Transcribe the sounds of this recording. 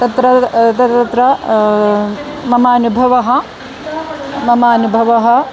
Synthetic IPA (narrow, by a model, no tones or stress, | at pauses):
t̪ɐt̪ɾɐt̪ɐt̪ɐt̪ɾɐ | mɐmaːnubʱɐʋɐɦɐ̆ | mɐmaːnubʱɐʋɐɦɐ̆